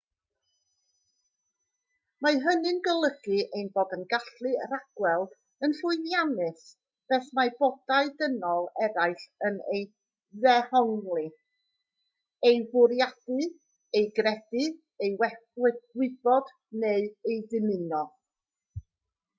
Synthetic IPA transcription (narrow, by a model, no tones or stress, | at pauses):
maɦənɨnɡəlˠəɡ̥ɨejnboːdənɡaɬɨɾaɡ̥wɛlˠ | ənɬʊɨnjanɨs | b̥ɛθmabɔdaɨdənɔlˠɛɾajɬənej | ðɛhɔŋlˠɨ | ejbʊɾjad̥ɨ | ejɡrɛdɨ | ejwɛwɪbɔd | neɨejdɨmɨnɔ